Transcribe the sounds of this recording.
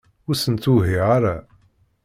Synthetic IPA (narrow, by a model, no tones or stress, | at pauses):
ʊɾsənt̪uɦiʁaɾa